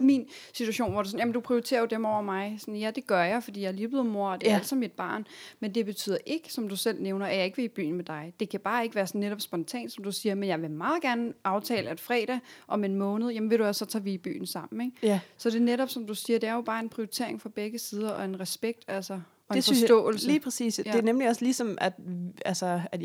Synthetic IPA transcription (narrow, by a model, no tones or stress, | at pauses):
min | si̥t͡sʰuæɕo̝̰ːnʋɒd̥esɒ̽n̩jæmnd̥upʰʁioit͡sʰe̝̰ːɐjod̥emɒʊ̰ɐmɑ̈ɪsɒ̽njæd̥e̝ɡ̥ɶɐjɑ̈ɪfɒdḭːjɑ̈lib̥lðˠmo̝ɐ̰d̥e̝æɐæl̰̥sɑmid̥̚b̥ɑ̰̈ːnmend̥e̝b̥e̝t͡sʰy̰ð̰ˠɐʔe̝ɡ̥ə̥sɒ̽md̥usel̰neʊnɐæjɑ̈e̝ɡ̥ʋe̝ib̥y̰ːn̩med̥ɑ̈ɪd̥e̝kʰæb̥ɑ̈ːe̝ɡ̥əʋæːɐsɒnːeɾɒ̽b̥sb̥ɒ̽nt͡sʰɛ̰ːnd̥sɒ̽md̥usiːɐmenjɑ̈ɪʋe̝mɑ̈ːðˠɡ̥æɐnʔɑ̈ʊt͡sʰɛ̰ːlæed̥fʁɛ̰ɾ̥ɛʔɒ̽menmɔ̽ːnð̞̩ˠjemn̩ʋe̝ɾ̥uæssːɒ̽t͡sʰɑːʋiib̥y̰ːn̩sɑ̈m̰n̩eɡ̥sɒ̽d̥e̝neɾɒ̽b̥sɒ̽md̥usiːɐd̥e̝æɐjo̝b̥ɑ̈ːe̝npʰʁioit͡sʰe̝̰ɐ̰eŋfɑb̥eɡ̥əsiːð̞ˠɐʔɒ̽e̝nʁɛsb̥eɡ̥̚d̥ælsɐ | ɒ̽enfɒsd̥ɔ̰ːl̩sliːpʰʁɛsḭːsd̥eɐnemliɒ̽slisɒ̽mæd̥ælsəæ